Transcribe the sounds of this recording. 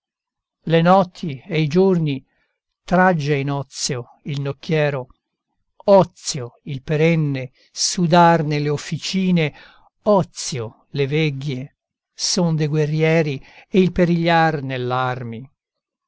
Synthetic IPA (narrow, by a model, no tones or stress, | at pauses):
lenɔt̪ʰːieid͡ʒurni | t̪ɾad͡ʒːeinɔt̪sjo | ilnokːjɛːɾo | ɔt̪sjoilpeɾɛnːe | sud̪arnelːeofːit͡ʃiːne | ɔt̪sjo | levɛɡːe | sond̪eɡwerːjɛːɾieilpeɾiʎːarnelːarmi